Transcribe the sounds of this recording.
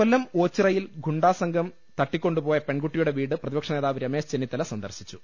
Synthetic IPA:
ɐlːɐmo̞ːt͡ɕːirɐjilɡʱuɳɖaːsɐŋɡʱɐm | t̪ɐʈːikʲːo̞ɳɖupoːjɐpe̞ɳɡuʈːijuɽe̞ʋiːɽɨprɐðibɐkʂɐneːðaːʋɾɐme̞ːsd͡ʑenːit̪ːɐlɐsɐnd̪ɐrsi̥t͡ɕːu

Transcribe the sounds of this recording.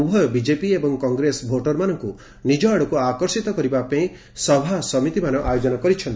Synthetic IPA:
bʱɔjɔbid͡ʒepiebɔŋkɔŋɡɾesbʱoʈɔɾmanɔŋku | nid͡ʒɔaɽɔkuakɔɾsit̪ɔkɔɾibapẽĩ | sɔbʱasɔmit̪imanɔʔajod͡ʒɔnɔkɔɾit͡ʃʰɔnt̪i

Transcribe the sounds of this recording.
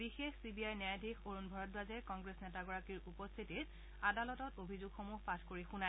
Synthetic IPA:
bixexsibiajnajadʱikʰoɹunbʱɔɹɔt̚bazɛkɔŋɡɹesnɛtaɡɔɹakiɹupɔst̪ʰitit | adalɔtɔtobʱizuɡxomuɦpatʰkoɹixuna

